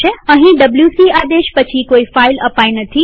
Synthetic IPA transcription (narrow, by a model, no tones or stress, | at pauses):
eɐ̃ɦĩɖɐbljusiaːd̪eːʃpɐt͡ɕʰikoːifaːɪlɐpaːinɐt̪ʰi